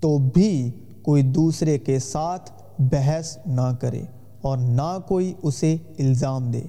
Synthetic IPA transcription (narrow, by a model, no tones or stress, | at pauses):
t̪obʱi | koːid̪uːsɾekesaːt̪ʰ | bɛɦɛsnɐkəɾḛː | ɔːɾnakoːiʊseɪlzaːmd̪ḛː